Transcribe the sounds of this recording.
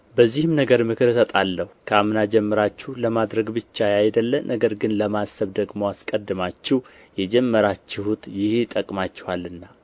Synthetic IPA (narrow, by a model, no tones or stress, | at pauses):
bəzːihɨmnəɡəɾmɨkʰɨɾɨsət̪ʼalːəhukʰəamɨnad͡ʒɛmːəɾat͡ʃːuhləmad̪ɾəɡbɨt͡ʃːajajd̪əlːəmnʔəɡəɾɡɨnləmasːəβd̪əɡmo̞askʼəd̪ːɨmat͡ʃːɪh | jɛd͡ʒɛmːəɾat͡ʃːɪhut̪jɪht̪ʼəkʼmat͡ʃːɪ̥halːɨnːa